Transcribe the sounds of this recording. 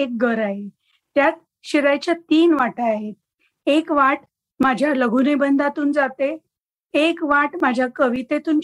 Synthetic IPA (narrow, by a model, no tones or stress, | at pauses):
ek̚ɡəɾaɦe | t̪jat̪ | ɕiɾajt͡ɕjat̪iːnʋaʈaaɦet̪̚ | ekʋaʈ | mad͡ʑʱjaləɡʱunebənd̪at̪uːnd͡zat̪e | ekʋaʈmad͡ʑʱjakəʋit̪et̪uːn